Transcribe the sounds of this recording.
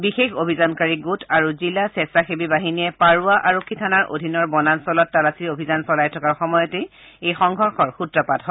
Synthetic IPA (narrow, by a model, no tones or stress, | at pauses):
bixexobʱizankaɹiɡutʰaɹuzilasɛsaxebibaɦinijɛpaɹuaʔaɹokʰːitʰanaɹʔo̰dʱinɔɹbɔnansɔlɔtːalasiɹobʱizansɔlajtʰɔkaɹxɔmɔjɔte | ejxɔŋɦɔɹxɔɹxutɹɔpatɦɔ